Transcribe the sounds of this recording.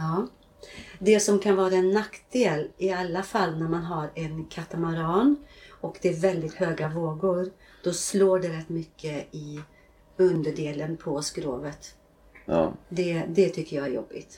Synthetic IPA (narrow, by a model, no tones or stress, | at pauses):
ɑː | d̪ɛsɔmkʰanvɑːɾaɛnːakt̪d̪eːlɪalːafalːnæɾmanɦaɾɛnkʰat̪amaɾɑːnɔkd̪ɛæɾvɛld̪ɪt̪høːɡavoːɡʊɾ | d̪̥ɔsloːɖɛɾɛt̪ːmʏkʰːəɪ | ɵnd̪əɖeːlənpʰɔskɾo̰ːvət̪ | d̪ɛd̪ɛt̪ʰʏkːəjɑæɾjɔ̰bːɪ̰t̪